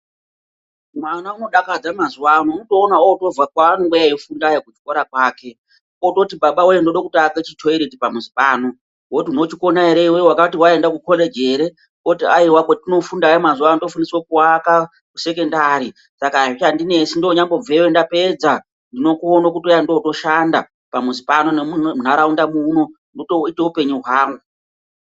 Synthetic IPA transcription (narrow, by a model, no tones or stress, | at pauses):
mwanauno̞ɗakad͡zamazuwanouto̞ːnaooto̞vakwaːnoŋɡejaifundajekut͡ʃikoɾakwaːke̞ | oto̞tibaɓawojendoɗokutaket͡ʃitʰoiɾetipamuzipʼaːno | wotiuno̞t͡ʃikonaeɾeiwowakatiwae̞ndakukʰoled͡ʒe̞ːɾe | kotiaiwaketino̞fundaimazuando̞funiswokuwaka | kuse̞ke̞ndaɾi | sakat͡ʃandine̞sindoɲambo̞b͡vewendape̞d͡za | ndino̞kuonokutijando̞to̞ʃanda | pamuzipano̞nemuun̤aɾaundamuno̞ | ndotoite̞upe̞ɲuɦwaːŋɡu